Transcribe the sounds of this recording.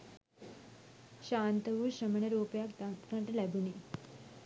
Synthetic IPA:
ɕaːnt̪ɐʋuʃɐmɐɳɐɾuːpjaːkt̪aːt̪kɐɳʈɐlɛbuni

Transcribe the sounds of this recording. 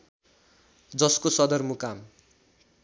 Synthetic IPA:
d͡zʌskosʌd̪ʌrmukam

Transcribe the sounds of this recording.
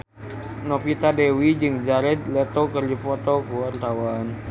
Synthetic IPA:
nɔpit̪adewid͡ʒɨŋd͡ʒaɾɛt̪̚lɛt̪ɔkərd͡ʒipɔt̪ɔkuwart̪awan

